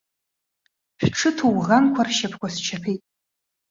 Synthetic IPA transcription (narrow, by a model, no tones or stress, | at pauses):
ɕᶣʈ͡ʂʰɨtʰowʁankʷʰarʃapʰkʷʰast͡ʃʰapʰejtʼ